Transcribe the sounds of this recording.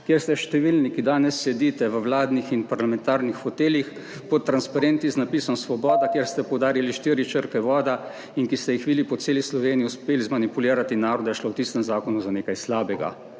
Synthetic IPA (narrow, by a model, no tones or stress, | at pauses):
kjeɾst̪ɛʃt̪ɛʋiːlnikid̪aːnɛsːɛd̪iːt̪ɛʋəwlaːd̪nixinpaɾlamɛnt̪aːɾnixxɔt̪eːljix | pɔt̪ːɾanspaɾent̪iznapiːsɔmsʋɔbɔːd̪akjeːɾst̪ɛpɔwd̪aːɾiliʃt̪iːɾit͡ʃəɾkɛʋɔːd̪a | inkist̪ɛjixʋid̪ipɔt̪seːlislɔʋeːniiuspeːlizmanipuliːɾat̪inaːɾɔd̪ajɛʃlowt̪ist̪ɛmzaːkɔnuzaneːkajslaːbɛɡa̰